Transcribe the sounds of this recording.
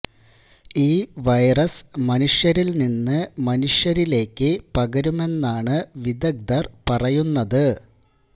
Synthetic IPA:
iːʋɐjrɐsmɐnuʂjɐɾilninːɨmɐnuʂjɐɾile̞ːkːɨpɐɡɐɾume̞nːaːɳɨʋid̪ɐɡ̚d̪ɐrpɐrɐjunːɐðɨ

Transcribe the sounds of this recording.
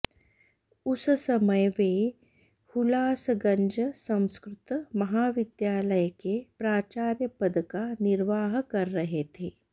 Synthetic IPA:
ʊssɐməjʋe | hʊlaːsɡɐ̃ɲd͡ʒəsɐ̃w̃skɾɪt̪mɐɦaːʋɪd̪jaːləjkepɾaːt͡ʃaːɾjəpɐd̪kanɪɾʋaːɦkɐɾːɐɦet̪ʰeː

